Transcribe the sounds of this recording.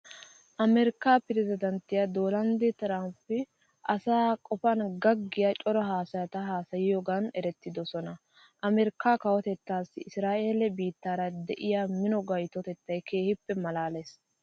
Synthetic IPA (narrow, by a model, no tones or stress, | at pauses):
ʔɐmɛɾɪkːaːpɪɾɪzɪd̪ɐnt̪ːɪjɐd̪oːlɐnd̪ɛt̪ɪɾaːmpːɪ | ʔɐsaːkʼɔfɐnɡɐɡːɪjat͡ʃʼɔɾɐɦaːsɐjɐt̪ɐɦaːsɐjɪjoɡɐnɛɾɛt̪ːɪd̪ɔsɔnɐ | ʔɐmɛɾɪkːaːkɐwɔt̪ɛt̪ːaːsːɪɪsɾaːʔeːlɛbiːt̪ːaːɾɐd̪ɛʔɪjaːmɪnɔɡɐjt̪ɔt̪ɛt̪ːɐjkʰe̞ːhɪpːɛmɐlaːles